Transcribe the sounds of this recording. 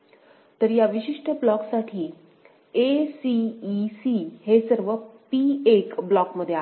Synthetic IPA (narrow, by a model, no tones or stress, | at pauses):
t̪əɾjaʋiɕiʂʈəblɔksaʈʰiː | esiːsihesəɾʋəpiekblɔkməd̪ʱja